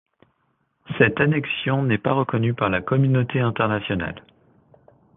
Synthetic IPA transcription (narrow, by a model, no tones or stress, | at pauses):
sɛt̪anɛksjɔ̃nɛpaʁəkɔnypaʁlakɔmynot̪eɛ̃t̪ɛʁnasjɔna̰l